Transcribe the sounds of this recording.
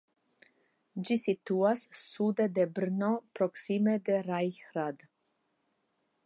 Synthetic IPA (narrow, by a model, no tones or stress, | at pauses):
d͡ʒisit̪uassud̪ed̪ebɾnopɾoksimed̪eɾajxɾad̪